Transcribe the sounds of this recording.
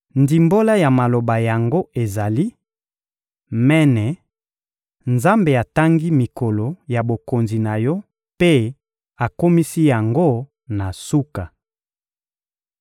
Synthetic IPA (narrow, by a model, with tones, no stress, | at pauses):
ndi˨mbo˦la˦ja˨ma˨lo˨ba˨ja˨ŋɡo˦e˨za˨li˦ | mɛ˦nɛ˨ | nza˦mbe˨a˨ta˦ŋɡi˦mi˨ko˨lo˨ja˨bo˨ko˨nzi˨na˨jɔ˦ | pe˦ | a˨ko˦mi˦si˦ja˨ŋɡo˦ | na˨su˦ka˨